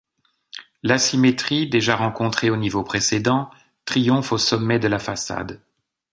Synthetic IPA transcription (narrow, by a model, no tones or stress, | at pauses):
lasimet̪χid̪eʒaʁɑ̃kɔ̃t̪χeonivopχesed̪ɑ̃ | t̪χijɔ̃fosɔmːɛd̪əlafasa̰d̪